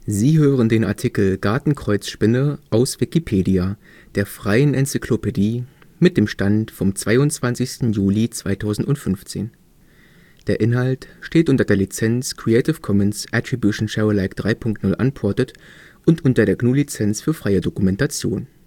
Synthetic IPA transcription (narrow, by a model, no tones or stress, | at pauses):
ziːɦøːʁəndeːna̰ɐtʰɪkl̩ɡ̥aɐtn̩kʁ̥ɔʏt͡sʃpɪnəʔaʊsv̥ɪkipʰeːdia | d̥eːɐfʁ̥aɪənʔɛnt͡sɪkʰlopediːmɪt̚d̥eːmʃtantfɔmt͡sv̥aɪʊnt͡sv̥ansɪçstn̩juːlit͡sv̥aɪtʰaʊzn̩tʊntfʏnft͡sḛːn | d̥eːɐʔɪnɦaltʃteːtʔʊntɐdeːɐlit͡sɛnskʁ̥iɛɪtɪfkʰɔmənsʔatʁ̥ibjuʃn̩ʃaʊəlaɪkd̥ʁaɪpʰʊŋk̚tnʊlʔa̰npʰɔɐtət | ʔʊntʔʊntɐdeːɐɡnuːlit͡sɛnt͡sfyːɐfʁ̥aɪədokumɛntat͡sjoːn